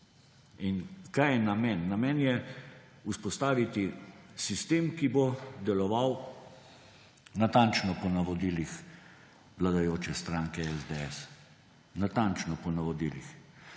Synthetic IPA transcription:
inkajɛnamɛnːamɛnjɛ | uspɔst̪aːʋit̪isist̪eːmkibod̪ɛlɔʋaw | nat̪ant͡ʃnɔpɔnaʋɔd̪ilix | ʋlad̪ajoːt͡ʃɛst̪ɾaŋkɛɛzd̪eɛs | nat̪ant͡ʃnɔpɔnaʋɔd̪iːlḭx

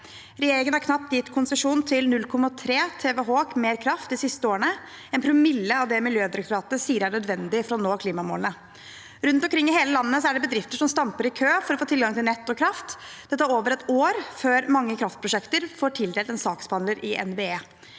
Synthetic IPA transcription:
ɾɛjeːɾɪŋənæɾkʰnɑp̚t̪d̪jɪt̪ːkʰʊnsəʂuːnt̪ʰɪlnʉlkʰɔmːɑt̪ʰɾeːt̪ʰeːʋɛɦoːkmeːɾkʰɾɑft̪d̪ɪsɪst̪əoːɾəɳə | ɛnpʰɾʊmɪlːəɑʋd̪ɛmɪljøːd̪ɪɾɛkt̪ʊɾɑːt̪əsiːəɾæɳœd̪ʋɛnd̪ɪfɾɔɔnoːkʰliːmɑmo̰ːlənə | ɾʉnt̪ɔmkʰɾɪŋːɪɦeːləlɑnːəsɔæɖɛbəd̪ɾɪft̪əʂɔmst̪ɑmpəɾɪkʰøːfɔɾɔfoːt̪ʰɪlɡɑŋt̪ʰɪlɛt̪ːɔkʰɾɑft̪d̪ɛt̪ːæɾoːʋəɾɛt̪oːɾføːɾmɑŋːəkʰɾɑft̪pʰɾʊʂɛkt̪əɾfoːʈʰɪld̪eːlt̪ɛnsɑːkspɑnləɾɪʔɛ̰nbeːeː

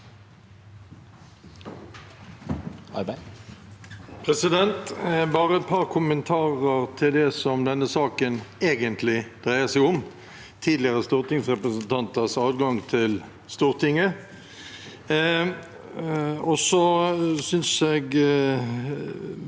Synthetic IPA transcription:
ɑ | pʰʁɛsɪd̪ɛnt̪bɑːʁəɛt̪̚pʰɑʁkʰʊmənt̪ʰɑːʁəʁt̪ʰɪld̪ɛsɔmd̪ɛnːəsɑːkəneːɡənt̪ʰlɪd̪̥ʁæɪəsæɪʊm | t̪ʰiːd̪lɪəʁəst̪uːʁt̪ɪŋsʁɛpʁəsənt̪ʰɑnt̪əʁsɑːd̪ɡɑŋt̪ʰɪl | st̪uːʁt̪ʰɪŋːə | ɔsɔsʏnseːɡ

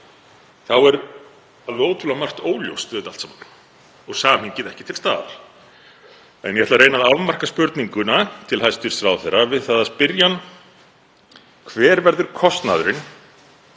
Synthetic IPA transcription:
θawɛɾ | aloːwt̪ʰulamar̥t̪oːwljo̰wst̪ʏðɪt̪alt̪saːman | ɔɣsaːmhincɪðɛhcɪt̪ʰɪlst̪a̰ːða̰ɾ̥ | ɛ̰njɛɛt̪laɾejnaðavmar̥kaspʏɾt̪niŋkʏnat̪ʰɪlhajst̪ʏɾ̥sɾaːwθeɾavɪðθaðaspɪɾjan | kʰvɛːɾvɛɾðʏɾ̥kʰɔst̪na̰ðʏɾɪn

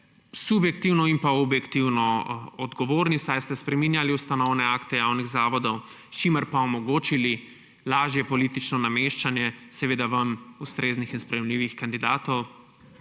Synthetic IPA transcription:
subjɛk̚t̪iwnɔimpaɔbjɛkt̪iwnɔɔd̪ɡɔʋoːɾnisajst̪ɛspɾɛmiːnjaliust̪anɔwnɛakt̪ɛjawniɣzaːʋɔd̪ɔw | ʃiməɾpaɔmɔɡoːt͡ʃili | laːʒjɛpɔlit̪it͡ʃnɔnameʃt͡ʃanjɛsɛʋeːd̪aʋamust̪ɾeːznixinspɾɛjɛmliːʋixkand̪id̪aːt̪ɔw

